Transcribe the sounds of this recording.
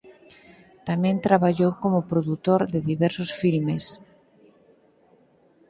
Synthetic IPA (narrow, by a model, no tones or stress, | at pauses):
t̪amẽnt̪ɾaβaʎowkomopɾoðut̪oɾðeðiβɛɾsosfilmes